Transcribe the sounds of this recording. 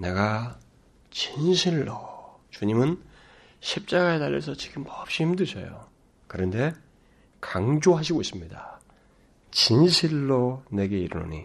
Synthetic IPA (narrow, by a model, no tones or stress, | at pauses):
ne̞ɡa | t͡ɕinɕʰiɭːo | t͡ɕuɲimɯn | ɕʰip̚t͡ɕ͈aɡaetaʎːjʌ̰sʰʌt͡ɕi̥ɡʰimpʌp̚ɕ͈ihimdɯɕʰʌ̰jo̰ | kɯɾʌnde̞ | kaŋd͡ʑoɦaɕ̬ʰiɡois͈ɯmɲida | t͡ɕinɕʰiɭːone̞ɡe̞iɾuno̰ɲḭ